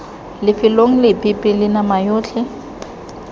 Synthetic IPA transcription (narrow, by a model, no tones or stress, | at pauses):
lɪfɪloŋ̩lɪpʼɪpʼɪlɪnamajoːt͡ɬʰɪ